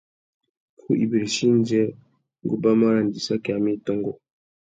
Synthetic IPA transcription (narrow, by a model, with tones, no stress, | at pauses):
kʰu˦ʔḭ˨be˨ɾi˨ʃi˦n˦d͡ʒɛ˦ | ŋ˨ɡu˦ba˦ma˦ɾa˨n˨di˨sa˦ki˨a˨mi˦˨tɔ˦ŋɡɔ˨